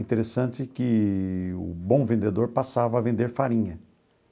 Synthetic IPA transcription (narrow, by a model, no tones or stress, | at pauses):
ĩt̪eɾesɐ̃nt͡ʃ̪ɪkɪ | ʊ̰bõvẽnd̪ed̪oɾpasavɐːvẽnd̪eɾfaɾĩɲɐ